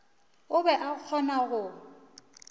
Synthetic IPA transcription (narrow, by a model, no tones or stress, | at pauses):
ʊbɛʔak͡xʰɔnaɣʊ